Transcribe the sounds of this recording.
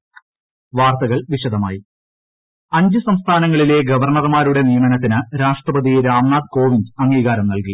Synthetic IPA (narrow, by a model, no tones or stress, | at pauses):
ʋaːrt̪ɐɣɐɭʋiɕɐd̪ɐmaːji | ɐɲd͡ʑɨsɐmst̪ʰaːnɐŋːɐɭile̞ːɡɐʋɐrɳɐrmaːɾuɽe̞nijɐmɐnɐt̪ːinɨɾaːʂʈrɐbɐd̪iɾaːmnaːd̪̚ko̞ːʋindɐŋːiːɣaːɾɐmnɐlki